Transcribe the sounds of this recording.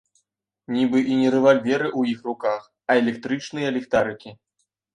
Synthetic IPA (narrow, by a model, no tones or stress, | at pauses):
nʲibɨʔinʲɛɾɨvalʲvʲɛɾɨʔujixrukax | ɐɛlʲɛk̚t̪ɾɨt͡ʂnɨjɐlʲɛkt̪aɾɨkʲi